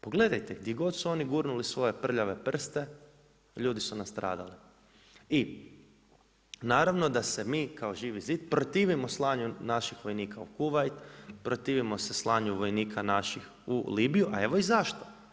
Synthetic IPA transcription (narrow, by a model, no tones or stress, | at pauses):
poɡle̞d̪ajt̪eɡd̪jeɡo̞d̪suo̞niɡuːɾnulisʋo̞je̞pr̩ʎaʋe̞pr̩st̪e̞ | ʎuːd̪isunast̪ɾʔa̰ːd̪a̰li | i | naːɾaʋno̞d̪ase̞miːkao̞ʒiːʋiziːd̪pɾot̪iːʋimo̞slˠaːɲunaʃixʋo̞jniːkʰaukuʋajt̪pɾot̪iːʋimo̞seslˠaːɲuʋo̞jniːkʰanaʃix | ṵliːbijuʔa̰e̞ʋo̞izaʃt̪o